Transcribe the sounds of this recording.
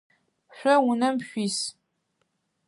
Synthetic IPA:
ɕʷɐwʊnɐmɕʷiːs

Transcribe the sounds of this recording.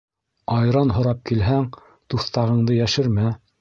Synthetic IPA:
ɑjɾɑnɦŏɾɑp̚kilɦæŋ | t̪uθt̪ɑʁɤ̆ɴd̪ɤjæʃɘ̆ɾmæ

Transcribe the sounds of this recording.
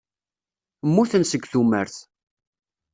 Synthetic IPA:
mːuθənsəɡʷθumə̰ɾθ

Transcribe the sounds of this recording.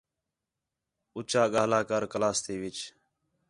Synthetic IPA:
ʊt͡ʃaːɠaːlaːkəɾkəlaːst̪ʰiːʋɪt͡ʃ

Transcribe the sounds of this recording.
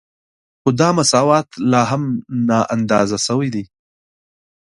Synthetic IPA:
xʊd̪ɑmasɑwɑːt̪lɑːɦamnɑʔand̪ɑzasəwid̪i

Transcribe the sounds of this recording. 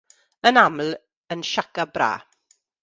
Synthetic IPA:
ənaml | ənʃakabra̰ː

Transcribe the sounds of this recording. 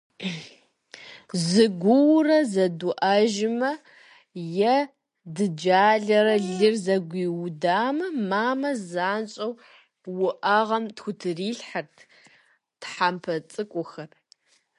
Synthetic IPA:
zɨɡʷʊwrɐzɐduʔaʒɪmɐ | jɛ | dɨd͡ʒaːɮɐɾɐɮɨrzɐɡʷiːwdaːmɐmaːmɐzaːnɕʼɐw | wʊʔɐʁɐmtxʷʊtʰɨriːɬħartʰ | tħampʰɐt͡sʼɨkʷʼʊxɐr

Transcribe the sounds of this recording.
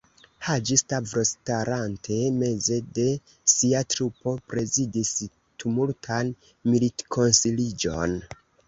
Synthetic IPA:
had͡ʒistavɾostaɾantʰe̞me̞ze̞de̞ | siatɾupo̞pɾe̞zidis | tʰumultʰan | militkʰo̞nsilid͡ʒo̞̰n

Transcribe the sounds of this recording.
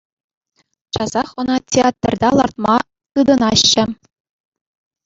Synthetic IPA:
t͡ɕɑzɑχŏnɑtʲeat̪̆ʲːrʲd̪ɑlˠɑ̰rt̪̚mɑ | t̪ɯd̪ɤ̆nɑɕːɘ̆

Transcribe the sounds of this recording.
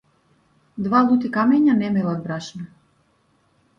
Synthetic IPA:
d̪ʋalˠut̪ikameɲanɛmɛlˠad̪̚bɾaʃna

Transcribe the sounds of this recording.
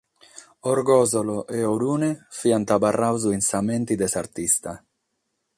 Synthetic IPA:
ɔɾɡɔzɔlɔʔɛoɾuːnɛfiːant̪abarːawzuinsamɛnt̪id̪ɛsaɾt̪ist̪a

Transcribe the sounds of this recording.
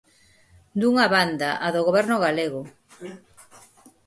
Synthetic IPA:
d̪uŋaβand̪aʔaðoɣoβɛɾnʊɣaleɣʊ

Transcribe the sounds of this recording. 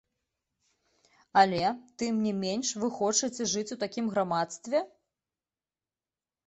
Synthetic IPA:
ɐlʲɛt̪ɨmnʲimʲenʲʂvɨxɔt͡ʂɨt͡sʲɛʐɨt͡sʲut̪akʲimɣɾamat̪st̪vʲɛ

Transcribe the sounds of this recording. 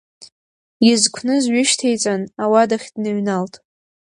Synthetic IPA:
jɪzkʷʰnɨzɥʊʃtʰejt͡sʼanawadaχʲdnɨɥnaltʼ

